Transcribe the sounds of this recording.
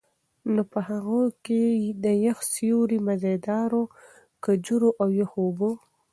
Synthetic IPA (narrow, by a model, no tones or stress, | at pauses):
nopəɦaɣoked̪əjaxsjuɾimazed̪ɑɾo | kəd͡ʒuɾoʔawjaxobo